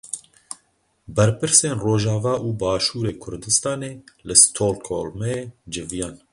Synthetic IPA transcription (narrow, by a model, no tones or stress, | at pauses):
bɛɾpɨɾseːnroːʒɑːvɑːʔuːbɑːʃuːɾeːkʰʊɾd̪ɨst̪ɑːneːlɨst̪ʰoːlkʰo̰lmɛeːd͡ʒɪvijɑːn